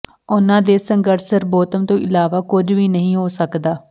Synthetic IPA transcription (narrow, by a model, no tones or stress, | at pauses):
ʊnãːd̪eːsəŋɡəɾsəɾboːt̪əmt̪õːʔɪlaːʋaːkʊd͡ʒʋiːnəɦĩːɦoːsəkd̪aː